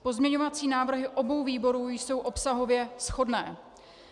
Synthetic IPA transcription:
po̞zmɲɛɲovat͡siːnaːvr̩ɦɪʔo̞bo̞wviːbo̞ɾuːjso̞wʔopsaɦo̞vjɛsxo̞dnɛː

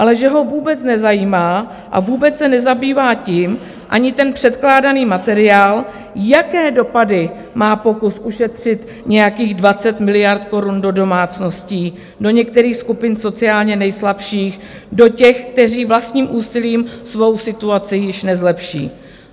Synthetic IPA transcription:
ʔalɛʒɛɦo̞vuːbɛt͡snɛzajiːmaː | ʔa̰vuːbɛt͡ssɛnɛzabiːvaːcɪm | ʔaɲɪt̪ɛnpr̥ɛt̪klaːdaniːmat̪ɛɾɪjaːl | jakɛːdo̞padɪ | maːpo̞kusʔuʃɛt̪r̝̥ɪt̪ | ɲɛjakiːɣdvat͡sɛt̪mɪlɪjaɾt̪ko̞ɾundo̞do̞maːt͡sno̞sciː | do̞ɲɛk̚t̪ɛɾiːxskupɪnso̞t͡sɪaːlɲɛnɛjslapʃiːx | do̞cɛxk̚t̪ɛriːvlast̪ɲiːmʔuːsɪliːmsvo̞wsɪt̪uat͡sɪjɪʃnɛzlɛpʃḭː

